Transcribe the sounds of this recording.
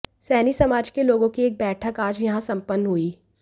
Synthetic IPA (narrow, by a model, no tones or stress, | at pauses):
sɛːnisɐmaːd͡ʒkeloːɡõkieːk̚bɛːʈʰəkaːd͡ʒjɐɦãsɐ̃mpənːɦuiː